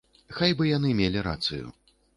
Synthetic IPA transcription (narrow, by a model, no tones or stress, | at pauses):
xajbɨjanɨmʲelʲiɾa̰t̪sɨjṵ